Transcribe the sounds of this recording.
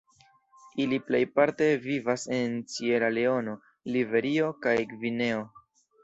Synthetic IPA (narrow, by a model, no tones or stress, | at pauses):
iliple̞jpaɾte̞vivase̞nt͡sie̞ɾale̞o̞no̞ | live̞ɾio̞kajkvine̞o̞